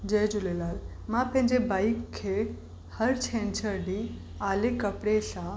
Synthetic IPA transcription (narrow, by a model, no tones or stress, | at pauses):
d͡ʑeːd͡ʑʊlelaːl | mãpəɐ̃ɦɪ̃ɲd͡ʑebaːɪkʰːe | həɾt͡ɕʰɛ̃ːnt͡ɕəɾɖi | aːlekɐpɽesã